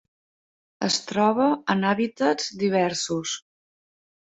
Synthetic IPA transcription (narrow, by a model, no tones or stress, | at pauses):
ə̰st̪ɾɔβ̞əənaβit̪əzd̪iβ̞ɛɾsus